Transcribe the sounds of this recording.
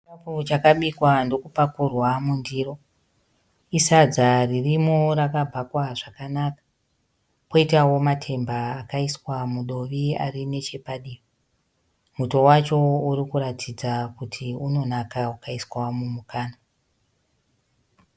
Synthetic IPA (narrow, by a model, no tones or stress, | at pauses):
iaput͡ʃakaɓikwando̞kupakurwamundiːro̞ | isad͡zaririmorakabʱakwaʐakanakḁ | ko̞itawo̞matʰe̞mbaːkaiswamuɗo̞ʋia̰rine̞t͡ʃe̞paɗii | muto̞wat͡ʃo̞uɾikuɾatʰid͡zakutʰiuno̞nakaakaiswamumukʰaːna